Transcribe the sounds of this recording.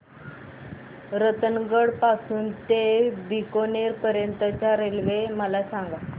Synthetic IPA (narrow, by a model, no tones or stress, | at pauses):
ɾət̪ənɡəɽpasuːnt̪ebikoneɾpəɾjənt̪ət͡ɕaɾelʋeməlasaŋɡa